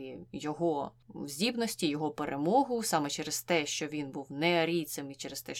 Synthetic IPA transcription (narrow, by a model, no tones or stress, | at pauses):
ijɔɦɔ | wzʲdʲibnɔsʲtʲijɔɦɔpeɾʔemɔɦʊsɑmɛt͡ʃɛɾez̥t̪ɛʃt͡ʃɔʋʲinbuwnɛɐɾʲij̪sʲemit͡ʃɛɾest̪ɛʃ